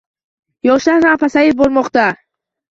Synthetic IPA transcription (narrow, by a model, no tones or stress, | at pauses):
jɔʃahɾampʰasaibɔɾmɔχt̪a